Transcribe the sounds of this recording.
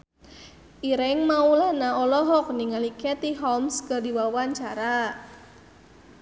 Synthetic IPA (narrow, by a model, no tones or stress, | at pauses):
ʔiɾɪŋmaulɛhnaɔlɔɦɔk̚niŋalikɛt̪iɦɔmskərdiwawaɲt͡ʃaɾa